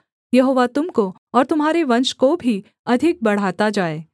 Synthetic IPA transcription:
jɐɦoːʋat̪ʊmko | ɔːɾt̪ʊmɦaːɾeʋɐ̃nʃkobʱi | ɐd̪ʱɪk̚bɐɽ̤aːt̪ad͡ʒaːeː

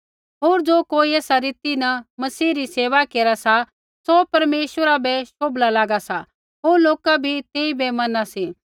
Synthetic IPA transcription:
ɦoːɾd͡ʒoːkoːieːsaɾiːt̪inɐmɐsiːɾiseːʋakeːɾasa | sopɐɾmeːʃʋəɾabɛʃoːblalaːɡasa | ɦoːɾloːkabʱit̪eːibɛmɐnasiː

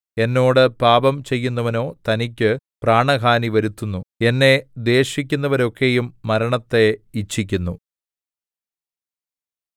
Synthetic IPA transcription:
e̞nːo̞ːɽɨpaːbɐmt͡ɕe̞jːunːɐʋɐno̞ːt̪ɐnik̬ʲːɨpraːɳɐɡaːniʋɐɾut̪ːunːue̞nːe̞d̪e̞ːɕikʲːunːɐʋɐɾo̞kːe̞jumːɐɾɐɳɐt̪ːe̞it͡ɕʰːikʲːunːu

